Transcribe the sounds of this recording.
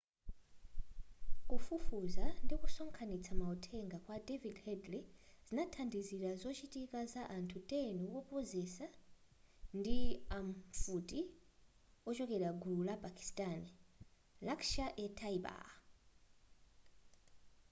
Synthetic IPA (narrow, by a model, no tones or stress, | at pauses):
kufufuzandikusɔŋkʰanit͡sʰamautʰɛŋɡakwadɛvidhɛdli | z̥inatʰandiziɾazɔt͡ʃitikazaʔantʰutʼɛniwɔpɔzɛsa | ndiaɱfuti | ɔt͡ʃɔkɛɾaɡululapʼakʰʼi̥stʼan | lakʃaʔɛtʰaiba̰